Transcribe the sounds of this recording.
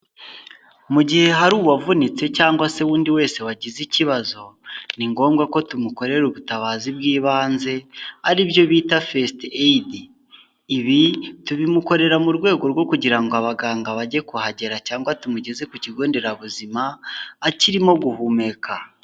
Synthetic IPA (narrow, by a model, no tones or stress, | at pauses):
muɟihe̞ɦaɾuːβwavunit͡se̞caːŋɡwase̞wuːndiwe̞ːse̞waɟiziciβazo̞niŋɡo̞ːmɡako̞tumuko̞ɾe̞ɾuβutaβaːzibɡiːβaːnze̞aɾibjo̞βiːtafestediː | βituβimuko̞ɾe̞ɾamuɾɡwe̞ːɡo̞ɾɡwo̞kuɟiɾaŋɡoaβaɡaːŋɡaβaɟe̞kuhaɟe̞ɾacaːŋɡwatumuɟe̞ze̞kuciɡo̞ːnde̞ɾaβuzimaːciɾimo̞ɡuhuːme̞kʰa